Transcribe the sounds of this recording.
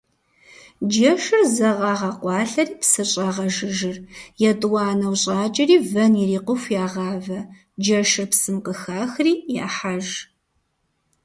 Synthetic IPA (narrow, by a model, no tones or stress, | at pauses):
d͡ʒɐʃɨrzɐʁɑːʁɐqʷɑːɬɐriːpsɨɕʼɑːʁɐʒɨʒɨrjɛtʼwɑːnɐwɕʼɑːt͡ʃʼɐriːvɐnjɪriːqʷʊfʷjaːʁɑːvɐ | d͡ʒɐʃɨrpsɨmqəxaːxriːja̰ːħaʒ